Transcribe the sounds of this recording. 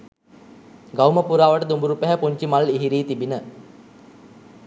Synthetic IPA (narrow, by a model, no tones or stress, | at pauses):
ɡawməpuɾaːʋəʈəd̪umbuɾupæɦæpuɲt͡ʃimaliɦiɾiːt̪ibinə